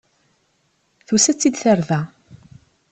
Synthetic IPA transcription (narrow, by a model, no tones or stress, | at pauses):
θusæt͡sːid̪θəɾvæ